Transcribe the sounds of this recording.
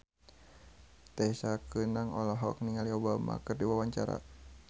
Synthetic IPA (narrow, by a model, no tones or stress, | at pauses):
t̪ɛsakənaŋɔlɔɦɔk̚niŋaliobama̰kɨrdiwawaɲt͡ʃaɾa̰